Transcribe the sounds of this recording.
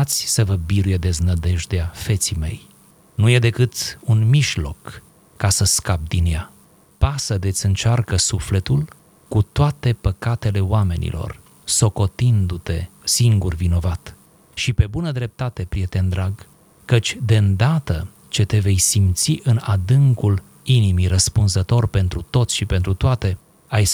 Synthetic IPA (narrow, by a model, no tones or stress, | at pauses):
t̪sʲsəvəbiɾuje̞d̪e̞znəd̪e̞ʒd̪eafe̞t̪sime̞̰j | nuje̞d̪e̞kɨt̪unmiʒlo̞̰kː | asəskab̚d̪inja | pasəd̪e̞t̪sʲɨnt͡ʃarkəsufle̞t̪ul | kut̪oat̪e̞pəkat̪e̞le̞oame̞nḭlo̞̰r | so̞ko̞t̪ind̪ut̪e̞siŋɡurvino̞vat̪ | ʃipe̞bunəd̪ɾe̞p̚t̪at̪e̞pɾijet̪e̞nd̪ɾaɡ | kət͡ʃʲd̪e̞ɨnd̪at̪ə | t͡ʃe̞t̪e̞ve̞jsimt̪siʔɨnad̪ɨŋkul | inimirəspunzət̪o̞rpe̞nt̪ɾut̪o̞t̪sʃipe̞nt̪ɾut̪oat̪e̞ | aj